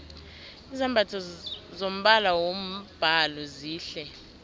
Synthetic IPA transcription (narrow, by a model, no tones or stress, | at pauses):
izambʱatʰɔzom̩ɓalawom̩b̥ʱalɔziːɬɛ